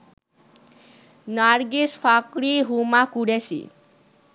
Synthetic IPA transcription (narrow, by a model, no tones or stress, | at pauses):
naɾɡisfʰakɽiɦumakuɽesḭ